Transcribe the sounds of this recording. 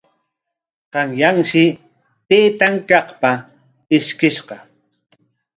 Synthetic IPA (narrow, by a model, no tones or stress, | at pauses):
qɑŋjaŋʃɪ | t̪eːt̪aŋkɑχpa | ɪʃkɪʃqɑ